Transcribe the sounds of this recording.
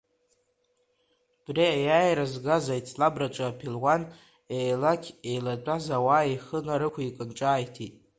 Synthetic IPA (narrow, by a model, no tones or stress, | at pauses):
b̥riajaːjɾazɡazajt͡sʰʼlabrat͡ʃʷʼapʰilwan | ejlakʲʰejlat͡pʷʼazawaːeχənaɾɨkʷʰaikʼɨnʈ͡ʂʼaːjtʰitʼ